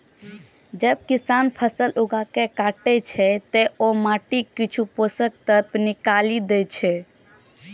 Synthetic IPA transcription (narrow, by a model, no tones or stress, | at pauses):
d͡ʒəb̚kisanpʰəsəlʔuɡakekaʈɛt͡ʃʰɛt̪eomaʈikːit͡ʃʰuposək̚t̪əɾpnikalid̪et͡ʃʰɛ